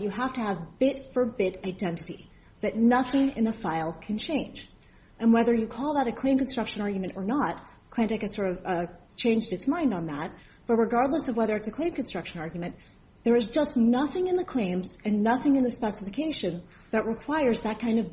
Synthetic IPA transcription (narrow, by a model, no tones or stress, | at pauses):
ɨɦæftɨːvbɪtfə˞bɪɾaɪdɛ̃ntɨɾi | ðɨtⁿnʌθɪ̃ŋɨ̰̃nðəfaɪlˠkʰɨ̃nt͡ʃʰẽɪ̃nd͡ʒ | ʔɨ̃nwɛðə˞jɨkʰɔlˠðəɾɨkʰl̥ẽɪ̃mkɨ̃n̩stɹ̥ʌkʃɨ̃nɑɹɡjmɨ̃ñtə˞nət̚ | kʰl̥æ̃ntɛkɨ̥sɔɹɾʌvt͡ʃʰẽɪ̃nd͡ʒdɨtsmãɪ̃ndn̩ðæt̚ | b̥ʌt̚ɹɨɡɑɹdˡləsʌvwɛðə˞ɨtsɨkʰl̥ẽɪ̃mkɨn̩stɹ̥ʌkʃɨ̃nɑɹɡjmɨ̃n | ðə˞ɨzd͡ʒʌstnʌθɪ̃ŋɨ̃nðɨkʰl̥ẽɪ̃mzɨ̃nːʌθɪ̃ŋɨ̃nðɨspɛsəfɨkʰeɪʃɨ̃n | ðɨt̚ɹɨkʰw̥aɪə˞zðɨt̚kʰãɪ̃ndʌv